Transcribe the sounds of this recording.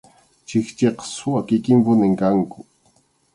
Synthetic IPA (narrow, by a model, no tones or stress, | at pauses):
t͡ʃɪxt͡ʃeqɑ̥sʊwakɪkɪmpʊnɪŋkaŋkʊ